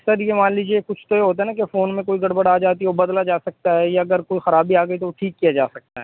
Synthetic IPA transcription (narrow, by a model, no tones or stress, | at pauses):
səɾjemaːnliːd͡ʒiekʊt͡ʃʰt̪ojeɦoːt̪aɦɛnakefoːnmẽkoːiɡɐɽbəɽaːd͡ʒaːt̪iɛʋobɐd̪lad͡ʒaːsɐk̚t̪aɦɛjaɐɡəɾkoːixɐɾaːbiaːɡɐit̪oʋoʈʰiːkːijad͡ʒaːsɐk̚t̪aɦɛ̰ː